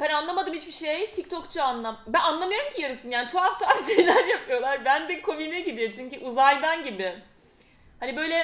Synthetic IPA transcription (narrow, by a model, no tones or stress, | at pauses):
b̥ɛnanlˠamad̪ɯmhit͡ʃbiʃejt̪ʰict̪ʰokt͡ʃʰuanlˠambænanlˠamɯjo̞ɾumcʰijaɾɯsɯnjaːnit͡ʃʰo̞aft̪ʰaaʃejlʲæɾjapʰɯjo̞lˠaɾbænd̪ikʰominɛɟid̪ijot͡ʃʰyɲcyʔuzajd̪anɟibɪ | hanibø̞jlʲɛ